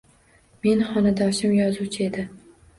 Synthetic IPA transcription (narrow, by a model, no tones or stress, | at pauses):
me̞nχɒnad̪ɒʃɪmjɒzut͡ʃʰɪe̞d̪ɪ